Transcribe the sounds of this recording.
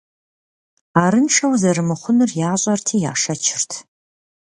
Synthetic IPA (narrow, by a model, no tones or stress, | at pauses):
aːɾɨnʈ͡ʂʰʼɐwzɐɾɨmɨχʷʊnɨrjaːɕʼɐrtʰiːja̰ːʂɐt͡ʃʰɪrtʰ